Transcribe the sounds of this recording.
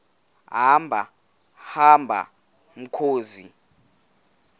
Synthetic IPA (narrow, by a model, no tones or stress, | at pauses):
ɦambʱa̰ | hambʱa̰ | m̩kʰoːzi